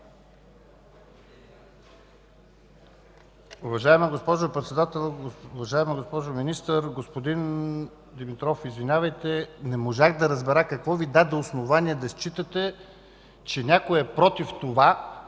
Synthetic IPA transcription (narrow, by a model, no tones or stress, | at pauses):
uvɐʒaɛmɐɡospɔʒʊpɾɛt̪sɛd̪at̪ɛlˠʊvɐʒaɛmɐɡospɔʒominist̪əɾɡospod̪in | d̪imit̪ɾɔfizvinʲavəjt̪ɛnɛmoʒaxd̪ɐɾɐzbɛɾakɐkvɔvid̪ad̪ɛosnovaniɛd̪ɐst͡ʃit̪ət̪ɛ | t͡ʃɛnʲakoɛpɾɔt̪ift̪ova